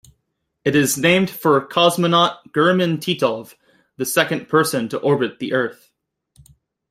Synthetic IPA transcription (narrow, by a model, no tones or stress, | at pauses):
ɨɾɪznẽɪ̃md̥fə˞kʰɑzmənɑt̚ɡ̥ɜ˞mɨ̃ntʰiɾɔv̥ | ðɨsɛkɨ̃npʰɜ˞sɨ̃ntʰəʔɔɹbɨt̪̚ðiʔɜ˞θ